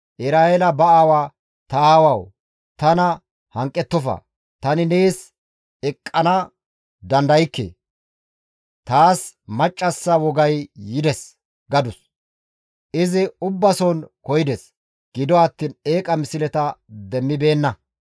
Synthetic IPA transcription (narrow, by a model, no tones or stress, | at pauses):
ʔɪsɾaːjɛlɐbɐaːwaː | t̪ɐaːwɐw | t̪ɐnɐ | hɐŋkʼːɛt̪ːɔfɐ̰ | t̪ɐnɪneːs | ɛkʼːɐnɐ | d̪ɐnd̪ɐjɪkːḛː | t̪aːsmɐt͡ʃʼːɐsːɐwɔɡɐjːɪd̪ɛs | ɡɐd̪ʊs | ʔɪzɪʊbːɐsɔnkɔjɪd̪ɛs | ɡ̥ɪd̪ɔɐt̪ːiːne̞ːkʼɐmɪsɪlɛt̪ɐd̪ɛmːɪbe̞ːnːɐ